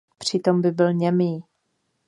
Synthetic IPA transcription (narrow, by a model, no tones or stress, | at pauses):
pr̝̥ɪt̪o̞mbɪbɪlɲɛmiː